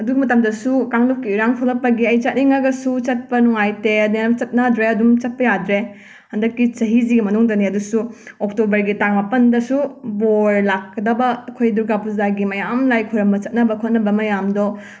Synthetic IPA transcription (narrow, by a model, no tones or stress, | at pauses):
ɐduɡumɐtɐmdɐsukaŋlop̚kːiuɾaŋpʰulɐpːɐɡiɐjt͡ʃɐt̚niŋɐɡɐsut͡ʃɐt̚pɐnuŋajteɐdit͡ʃɐt̚nɐdɾeɐdumt͡ʃɐt̚pɐjadɾe | hɐndɐkːit͡ʃɐɦiziɡimɐnuŋdɐniɐdusuoktobɐɾɡitaŋmapɐndɐsuboɾlakːɐdɐbɐːkʰojduɾɡapuzaɡimɐjamlajkʰojɾɐmbɐt͡ʃɐt̚nɐbɐkʰot̚nɐbɐmɐjamdo